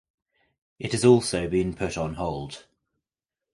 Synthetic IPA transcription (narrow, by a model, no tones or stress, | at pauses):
ɪthəzɔˑlˠsəʊbĩnpʰʊtn̩ɦɒʊlˠd̥